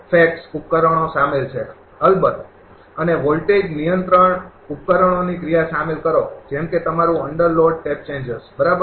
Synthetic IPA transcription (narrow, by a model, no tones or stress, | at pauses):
fʰek̚sup̚kəɾəɳ̃osamelt͡ʃʰe | əlbəd̪ | əneʋolʈed͡ʒnijənt̪ɾəɳ | up̚kəɾəɳ̃onikɾijasamelkəɾod͡ʒɛmket̪əmaɾũəɳɖəɾloɖ̚ʈep̚t͡ʃẽɲd͡ʒəsbəɾabə